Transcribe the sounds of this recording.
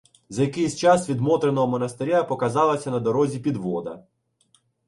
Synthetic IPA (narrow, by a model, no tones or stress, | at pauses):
zɐjɐkɪjsʲt͡ʃɑsʋʲid̪mɔt̪ɾenɔɦɔmɔnɐst̪eɾʲapɔkɐzɑlˠɐsʲɐnɐd̪ɔɾɔzʲipʲid̪ʋɔd̪ɐ̰